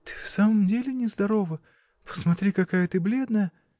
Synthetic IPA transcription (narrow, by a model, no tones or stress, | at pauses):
t̪ɨ̥fsaməmdʲelʲɪnʲɪzd̪ɐɾo̞və | pə̥smɐt̪ɾʲikɐkajət̪ɨblʲed̪nəjə